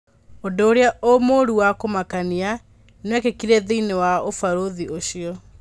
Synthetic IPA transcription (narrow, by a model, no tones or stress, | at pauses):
odoːɾeaʔomoɾuwakomakania | neakekiɾɛðeinewaofaɾoðiʔoɕiɔ